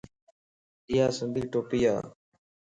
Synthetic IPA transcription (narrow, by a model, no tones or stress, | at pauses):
ɪjaːsənd̪iːʈoːpiːa̰ː